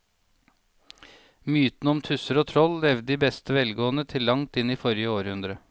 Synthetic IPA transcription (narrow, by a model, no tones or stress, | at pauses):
myːt̪n̩ɔmt̪ʰʉsəɾoːt̪ʰɾɔlːɛʋd̪əd̪iːbɛst̪ʰəʋɛlɡoːənət̪ʰɪlːɑŋt̪ɪniːfɔɾjəoːɾhʉnd̪ɾə